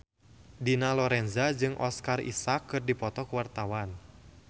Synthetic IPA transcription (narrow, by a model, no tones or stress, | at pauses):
dinalɔɾɛnzad͡ʒɨŋʔɔ̰skarḭsakːɨrdipɔt̪ɔkuwart̪awan